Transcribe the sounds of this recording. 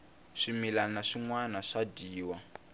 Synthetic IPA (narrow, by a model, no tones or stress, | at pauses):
ʂimilanaʂiŋwanaʂadiːwa